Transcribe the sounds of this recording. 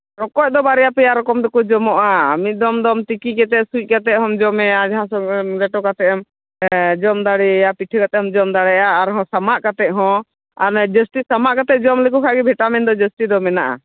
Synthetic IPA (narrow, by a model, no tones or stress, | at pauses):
ɾɔkɔc̚ˀd̪ɔbaɾɛjapɛjaɾɔkɔmd̪ɔkud͡ʒɔmɔʔaːmit̪̚ˀd̪ɔmd̪ɔmt̪ikikɛt̪ɛʔsuc̚kat̪ɛʔ̚ɦɔ̃md͡ʒɔmɛjad͡ʒaɦãsɔlɛʈɔkat̪ɛʔɔm | d͡ʒɔmd̪aɽɛjapiʈʰəkat̪ɛɔmd͡ʒɔmd̪aɽɛjaːɾɦɔ̃samaʔkat̪ɛʔ̚ɦɔ̃ | aɾd͡ʒəstisamaʔkat̪ɛd͡ʒɔmləkukʰaɡɛbʱɛʈamɛnd̪ɔd͡ʒəsʈid̪ɔmɛnaʔa̰